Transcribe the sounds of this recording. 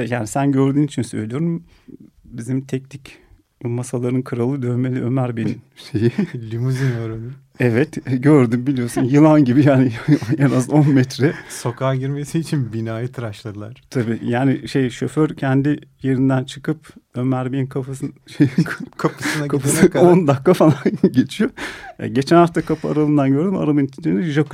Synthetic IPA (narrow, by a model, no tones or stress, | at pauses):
jaːnisænɟøɾd̪yːnit͡ʃʰinsø̰jlʲijo̞ɾum | bizimt̪ʰɛcnic | masalˠaɾɯnkʰɯɾalˠɯd̪ønme̞lʲiʔø̞mæɾbeninʃejilʲimuzinoɾoni | ɛvɛt̪ɟøɾd̪ymbilʲijo̞ɾsunjɯlˠanɟibijaːnijenazo̞nmɛt̪ɾɛso̞kʰaːɟiɾmesiːt͡ʃʰinbinaːjɯt̪ʰɯɾaʃlˠad̪ɯlˠa̰ɾ̥t̪ʰabiːjaːnɪʃe̞jʃøføɾcʰɛnd̪ije̞ɾind̪ænt͡ʃʰɯkɯp̚ømæɾbinkʰafasɯnʃejʰkʰapɯsɯnakʰap̪ʰond̪akʰːafalˠanɟe̞t͡ʃʰijoa̰ɟe̞t͡ʃʰænaft̪ʰakʰapʰɯa̰ɾalˠɯnd̪anɟø̞ɾd̪yma̰ɾalˠɯnit͡ʃʰind͡ʒenɛʒak